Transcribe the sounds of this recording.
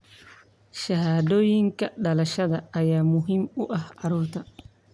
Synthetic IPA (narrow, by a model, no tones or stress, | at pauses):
ʃɐhaːd̪oːjiŋkɐɗɐlɐʃɐd̪ɐːjaːmʊɦimuʔɐhaɾuːt̪a